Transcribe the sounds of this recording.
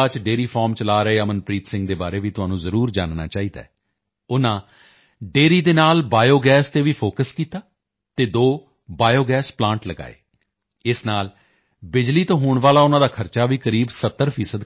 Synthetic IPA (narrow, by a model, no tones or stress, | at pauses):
at͡ʃɖeːɾiːpʰɔːɾmt͡ʃəlaːɾəeːəmənpɾiːt̪sɪ̃ŋɡ̚d̪eːbaːɾeːʋiːt̪ʊɦãːnũːzəɾuːɾd͡ʒaːnna̰ːt͡ʃaːɦiːd̪a̰ːɛː | ʊnãː | ɖeːɾiːd̪eːnaːlbaːjoːɡɛːst̪eːʋiːpʰoːkəskiːt̪aː | t̪eːd̪oː | baːjoːɡɛːsplãːɳʈləɡa̰ːḛː | ɪsnaːl | bɪd͡ʒliːt̪õːɦoːɳʋaːlaːʊnãːd̪aːkʰəɾt͡ʃaːʋiːkəɾiːbsət̪ːəɾpʰiːsəd̪